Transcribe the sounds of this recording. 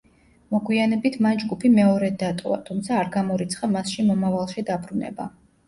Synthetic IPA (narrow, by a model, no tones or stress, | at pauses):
mɔɡwianɛbit̪ʰmand͡ʒɡupʰimɛɔɾɛd̪at̪ʼɔ̰va̰t̪ʰumt̪sʰaːɾɡamɔɾit̪sʰχamasʃimɔmavalˠʃid̪abɾunɛ̰ba